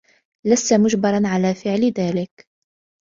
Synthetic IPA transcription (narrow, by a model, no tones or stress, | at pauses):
læsːamʊʒbɑɾˤɑnʕalæːfɪʕld̪æːlɪk